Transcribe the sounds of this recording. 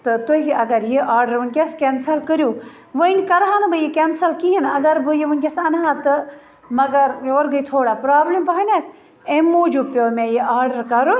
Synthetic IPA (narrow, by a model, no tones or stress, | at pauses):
t̪ɨt̪uɦiɐɡɐɾjeʔaːɾɖɐɾʋɐnʲkʲeskʲensɐlkəɾjuː | ʋɐnʲkɐɾɦanbɨjekʲensɐlkiɦinɐɡɐɾbɨjeʋɐnʲkʲesɐnɦat̪ɨ | mɐɡɐɾoːɾɡɐit̪ʰoːɽaːpɾaːblimpɐɦɐnʲat̪ʰ | emːuːd͡ʒupʲoːmẽjeʔaːɾɖɐɾkɐɾu